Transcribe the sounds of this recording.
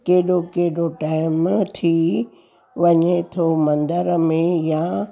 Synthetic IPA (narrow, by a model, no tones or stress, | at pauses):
keɦɪɗokeɦɪɗoʈaːɪmt̪ʰi | ʋɐɲet̪ʰomɐ̃nd̪əɾmẽja